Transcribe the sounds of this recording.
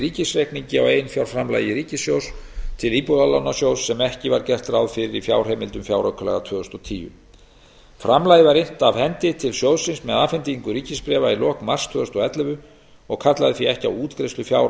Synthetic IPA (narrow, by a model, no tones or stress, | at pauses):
ɾiːcɪsrekniɲcɪawejnfjawɾfɾamla̰ːjɪɾiːcɪsjowst̪ʰɪliːpuðalanːasjowsːɛmɛhcɪvaɾcɛr̥t̪ɾawðfɪɾɪɾifjaːwr̥hɛmɪlt̪ʏmfjaːwɾakʰʏlɛ̰ɣat̪ʰvœːðʏst̪ɔt̪ʰiːjʏ̰ | fɾamlajðɪvaɾɪn̥t̪avhɛnt̪ɪt̪ʰɪlsjowðsɪnsmɛðaːfɛnt̪iŋkʏɾiːcɪspɾɛːvailɔːkmar̥st̪ʰvœːðʏst̪ɔɛt̪lɛvʏ | ɔɣkʰat̪laðɪθiɛhcɪa̰wuːt̪kɾejslʏfjawɾ